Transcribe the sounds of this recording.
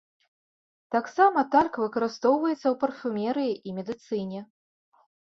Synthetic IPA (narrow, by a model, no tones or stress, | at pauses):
t̪aksamɐt̪alʲkvɨkɐɾɨst̪ɔwvɐjɛt̪sːɐwpɐrfʲumʲɛɾɨjiʔimʲɛd̪ɨt̪sɨnʲɛ